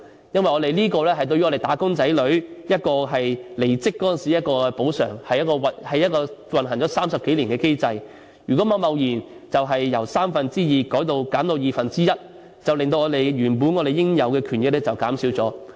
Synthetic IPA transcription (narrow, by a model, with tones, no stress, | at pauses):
jɐ˥nwɐ˨jŋɔː˨˧t̪e˨˩liː˥kɔː˧lɛː˥ɦɐ˨˩jt̪o˧ɥy˥ɔ˨˧e˨jt̪aː˨˥kʊ˥ŋt͡sɐ˨˥jlɵ˨˥ɥjɐ˥t̚kɔː˧ɦɐ˨jle˨˩jt͡sɪ˥kːɔː˥ɐ˨nsi˨˦jɐ˥t̚kɔː˧po˨˥wsœ̰ː˨˩ŋhɐ˨jɐ˥t̚kɔː˧wɐ˨hɐ˨jɐ˥t̚kɔː˧wɐ˨nɦɐ˨˩ŋt͡sɔː˨˧˥saː˥msɐ˨p̚ke˨˥jliː˨˩nkɛː˧ke˥jt͡sɐ˧j | jyː˨˩kɔ˨˥mɐ˨˧wmɐ˨˧wjiː˨˩nt͡sɐ˨wɦɐ˨jːɐ˨˩wsaː˥mfɐ˨nt͡siː˥jiː˨kɔː˨˥jt̪o˧wkaː˨˥mt̪o˧wjiː˨fɐ˨nt͡siː˥jɐ˥t̚ | t͡sɐ˨wlɪ˨ŋt̪o˧wŋɔː˨˧t̪e˨jɥyː˨˩npuː˨˥nŋɔː˨˧ɾe˨jɪ˥ŋjɐ˨˧wkɛː˧kʰyː˨˩nlɪ˨k̚lɛ˥t͡sɐ˨wkaː˨˥msiː˨˥wt͡sɔː˨˥